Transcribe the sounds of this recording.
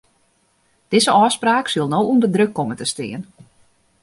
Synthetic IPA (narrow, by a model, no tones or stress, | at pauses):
d̥ɪzəʔɔːspraːksylˠnowundədrøkːomətəstɪ̰ən